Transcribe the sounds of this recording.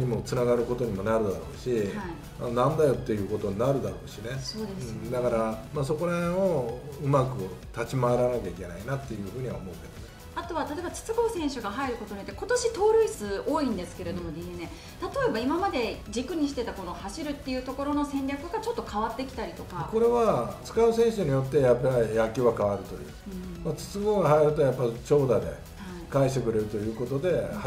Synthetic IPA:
ɲ̟imo̞t͡sɨnaɡaɾɯ̟ko̞t̪o̞ɲ̟imo̞naɾɯ̟d̪aɾo̞ːɕihaii | a̰nãnd̪ajo̞t̪ːe̞jɯ̟ːko̞t̪o̞ɲinaɾɯ̟d̪aɾo̞ːɕine̞so̞ːd̪esɨd̪akaɾamaːs̬o̞ko̞ɾao | ɯ̟makɯ̟t̪at͡ɕimaaɾanakʲaikʲe̞na̰inat̪ːe̞jɯ̟ːɸɯ̟ːɲ̟iβaomo̞ɯ̟ke̞d̪on | at̪o̞βat̪at̪oebat͡sɨ̥t͡sɨɡo̞ːsẽ̞ɰ̃ɕɨɡaɦaiɾɯ̟ko̞t̪oɲijot̪ːeko̞t̪o̞ɕit̪o̞ːɾɯ̟ːsɨo̞ːĩnd̪e̞sɨ̥ke̞ɾe̞d̪o̞mo̞d̪ʲienẽ | t̪at̪o̞e̞baimamad̪e̞d͡ʑikɯ̟ɲ̟iɕi̥t̪e̞t̪ako̞no̞haɕiɾɯ̟t̪ːe̞jɯ̟ːt̪o̞ko̞ɾo̞no̞sẽ̞nɾʲakɯ̟ɡat͡ɕo̞t̪ːokʰaβat̪ːe̞kʲi̥t̪aɾʲit̪o̞kako̞ɾe̞βat͡sɨ̥kaɯ̟sẽɰ̃ɕɨɲ̟ijo̞t̪ːe̞japːaijakʲiβakaβaɾɯ̟t̪o̞̰jɯ̟̰ː | mat͡sɨ̥t͡sɨɡoːɡahaiɾɯ̟t̪o̞japːait͡ɕo̞ːd̪ad̪e̞̰ | ha | kaiɕt̪ekɯ̟ɾe̞ɾɯ̟t̪o̞jɯ̟ːko̞t̪o̞d̪e̞h

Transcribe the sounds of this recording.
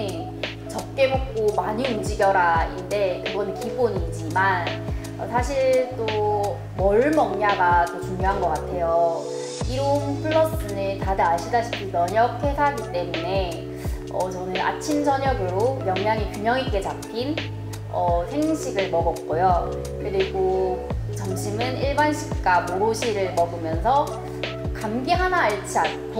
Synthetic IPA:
t͡ɕʌp̚k͈e̞mop̚k͈omaɲiund͡ʑiɡjʌɾainde̞kɯɡʌnɯnkiboɲid͡ʑiman | ʌ̰sʰaɕʰiɭt͈o | mʌɭmʌŋɲaɡat͈ot͡ɕuŋɲjoɦanɡʌk͈atʰe̞jo | iɾompʰɯɭːʌs͈ɯnetadɯaɭɕʰidaɕʰi̥pʰinʌɲʌkʰe̞sʰaɡit͈e̞mune | ʌt͡ɕʌnɯna̰t͡ɕʰimd͡ʑʌɲʌɡɯɾojʌŋɲaŋipjumjʌŋik͈e̞t͡ɕap̚k͈in | ʌsʰeŋnɕʰiɡɯɭmʌɡʌp̚k͈ojo | kɯɾiɡot͡ɕʌŋɕʰimɯniɭbanɕʰi̥k̚k͈amoɾoɕʰiɾɯɭmʌɡɯmjʌnsʰʌ | kamɡiɦanaːɭt͡ɕʰia | k

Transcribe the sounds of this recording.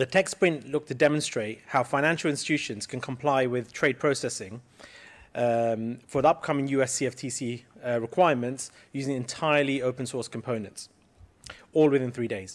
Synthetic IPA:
ðətʰɛkspʰɹ̥ɪ̃nʔlʊk̚tʰədɛmə̃nstɹ̥eɪt̚haʊfãɪ̃ñæ̃nʃəl̩ˠɪ̃nstɪ̥t͡ʃʰʉˑʃə̃nz̥kʰə̃nkʰə̃mpʰl̥aɪwɪð̥tʰɹ̥eɪd̚pʰɹ̥əʊsɛsɪ̃ŋ | fəʌp̚kʰʌ̃mɪ̃ŋjʉːɛsiɛftʰisiɹɪkʰw̥aɪəmə̃nts | jʉːzɪ̃ŋɪ̃ntʰaɪəliəʊpə̃nsɔɹskʰə̃m̩pʰə̃ʊ̃nə̃nts | ɔːlˠwɪðɪ̃nθɹiːdeɪz̥

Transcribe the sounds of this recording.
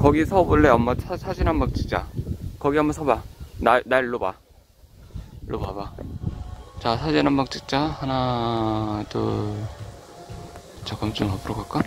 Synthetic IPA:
kʌɡisʰʌbuɭːeʌmːʌsʰasʰad͡ʑinammak̚t͡ɕ͈i̥k̚t͡ɕ͈akʌɡiʌmːʌsʰʌbananaɭːoba̰ | ɭʔobaba | t͡ɕasʰad͡ʑinɦammak̚t͡ɕ͈ʰik̚t͡ɕ͈ahana | do̰ | t͡ɕakʌmt͡ɕ͈omʌpʰɯɾokak͈a

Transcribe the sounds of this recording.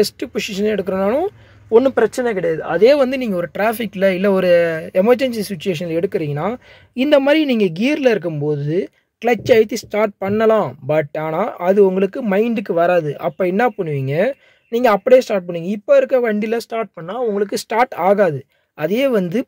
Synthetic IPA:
ɛsʈɯpʊʂɪʂɐnɛɽɯkːɯɾɐnaːnõ | ɔnːɯpɪɾɐt͡ʃːɐnɛkɪɽɐjaːðɯʔɐðeːʋɐnd̪ɯniːŋɡɐɔɾɯʈɾaːfɪkːɪlɐɪlːɐɔɾɯɛmɐɾd͡ʒɛnsisɪt͡ʃːʊeːʂ̬ɐnɪlɛɽɯkːɯɾiːŋɡɐnaː | ɪnd̪ɐmaːd̪ɾiniːŋɡɐɡiːɾlɪɾɯkːɯmpoːðɯ | kɭɐt͡ʃːɐɪt̪ːisʈaːɾʈ̚pɐɳːɐlãːbɐʈːaːnaːʔɐðɯʊŋɡɐɭɯkːɯmɐɪɳɖɯkːɯʋɐɾaːðɯʔɐpːoːɪnːaːpɐɳːɯʋiːŋɡɐ | niːŋɡɐːpːɐɽejeːsʈaːʈ̚pɐɳːiːŋɡɐɪpːoːɪɾɯkːɐʋɐɳɖɪlɐsʈaːɾʈ̚pɐɳːaːʊŋɡɐɭɯkːɯsʈaːɾʈaːɣaːðɯ | ɐðeːʋɐnd̪ɯ

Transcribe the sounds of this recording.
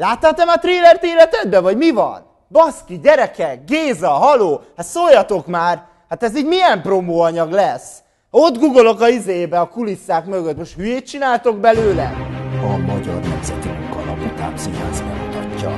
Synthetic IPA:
laːt̪ːat̪ɛmɒt̪reːlɛrt̪eːlɛt̪ɛd̪bɛvɒɟmivɒ̰n | bɒskiɟɛɾɛkɛɡeːzɒɦɒloːhat̪soːljːɒt̪o̞kmaːr | hat̪ɛziːɟmijɛmpro̞moːɒɲɒɡlɛs | o̞d̪ɡuɡolo̞kɒizejeːbɛɒkulisːaːkmø̞ɡøt̪moʃt̪hyjeːt̪̚t͡ʃinaːlt̪o̞ɡbɛløːlɛɒmɒɟɒ̰rnɛmzɛt̪imuŋkɒlɒ̰mut̪a̰ːmsiɦa̰ːzmɛ̰nt̪ɒcːɒ̰

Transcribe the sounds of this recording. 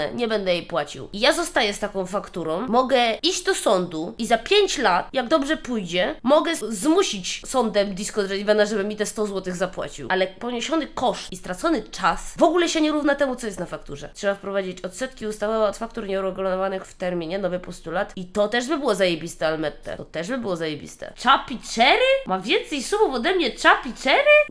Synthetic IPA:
ɛ̰ɲɛbɛnd̪ɛjɛjpwat͡ɕḭwijazɔst̪ajɛst̪akɔ̃w̃fakt̪uɾɔ̃w̃mɔɡɛiʑd͡ʑd̪ɔsɔnd̪uizapʲjeɲt͡ɕlat̪jaɡd̪ɔbʐɛpujd͡ʑɛmɔɡɛzmuɕit͡ɕsɔnd̪ɛmd̪ʲiskɔd̪ɾɛivanaʐɛbɘmːʲit̪ɛst̪ɔzwɔt̪ɘɣzapwa̰t͡ɕḭwalɛpɔɲeɕɔnɘkɔʂt̪ist̪ɾat̪sɔnɘt͡ʂasvɔɡulɛɕɛɲɛɾuvnat̪ɛmut̪sɔjɛst̪nafakt̪uʐɛ̰tʂɛbafpɾɔvad͡ʑit͡ɕɔt̪sɛt̪kʲiust̪avɔvɛɔt̪fakt̪uɾɲɛuɾɛɡulɔnɔvanɘxft̪ɛɾmʲiɲɛnɔvɘpɔst̪ulat̪it̪ɔt̪ɛʐbɘbɘwɔzajɛbʲist̪ɛalmɛt̪ːɛ̰t̪ɔt̪ɛʐbɘbɘwɔzajebʲḭst̪ɛ̰t͡ʂapʲit͡ʂɛɾɘmavʲjɛnt̪sɛjsumufɔd̪ɛmɲɛt͡ʂapʲit͡ʂɛɾɘ

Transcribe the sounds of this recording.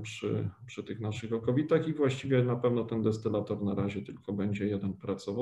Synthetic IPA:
pʂɘ̰pʂɘt̪ɘxnaʂɘxɔkɔvʲit̪axivwaɕt͡ɕivʲjɛnapɛvnɔt̪ɛnd̪ɛst̪ɘlat̪ɔɾnaɾaʑɛt̪ɘlkɔbɛɲd͡ʑɛjɛd̪ɛnpɾat̪sɔva

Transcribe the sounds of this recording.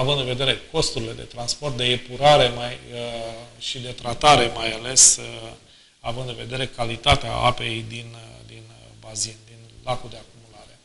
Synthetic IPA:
avɨnd̪inve̞d̪e̞ɾe̞ko̞st̪uɾile̞d̪e̞̰t̪ɾanspo̞rt̪̚d̪e̞ːpuɾaɾe̞maj | ʃid̪e̞t̪ɾat̪aɾe̞majale̞s | avɨnd̪ɨinve̞d̪e̞ɾe̞kalit̪at̪ea̰a̰pe̞jd̪ind̪inbazind̪inlakuld̪e̞akumulaɾe̞

